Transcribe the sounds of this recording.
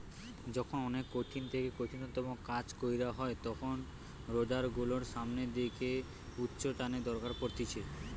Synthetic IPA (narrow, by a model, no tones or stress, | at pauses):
d͡ʑɔkʰonɔnekːoʈʰint̪ʰekekoʈʰinot̪ɔmokad͡ʑkojɾaɦɔet̪ɔkʰon | ɾod̪aɾɡuloɾʃamned̪ekʰe | utːɕoʈaned̪ɔɾkaɾpoɾt̪ʰit͡ɕʰe